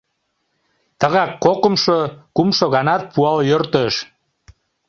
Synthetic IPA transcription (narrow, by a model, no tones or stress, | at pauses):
t̪əɣɑkːokəmʃokumʃoɣɑnɑt̪̚puɑljørt̪əʃ